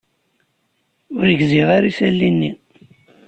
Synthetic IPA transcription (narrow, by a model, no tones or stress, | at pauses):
ʊɾəɡziʁaɾisælːinːi